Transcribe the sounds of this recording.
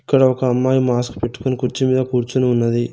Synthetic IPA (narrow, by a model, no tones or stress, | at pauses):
ikːɐɽɐɔkɐːmːaːjumaːsku̥pe̞ʈːu̥konikuɾt͡ʃimiːd̪ɐkuːɾt͡ʃunuunːɐd̪i